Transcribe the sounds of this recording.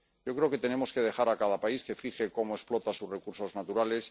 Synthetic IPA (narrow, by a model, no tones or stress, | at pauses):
ɟ͡ʝo̞kɾe̞o̞ke̞t̪e̞ne̞mo̞ske̞ð̞e̞xaɾakað̞apaiske̞fixe̞ko̞moe̞ksplo̞t̪asuzre̞kuɾso̞znat̪uɾale̞s